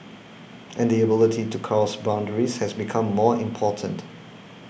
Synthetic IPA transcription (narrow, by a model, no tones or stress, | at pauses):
ʔɛ̃ndiəbɪlɪtʰitukʰɹɔsbãʊ̃ndəɹizhɛzbikʰʌ̃mːɔɹɪ̃mpʰɔɹtʰə̃nt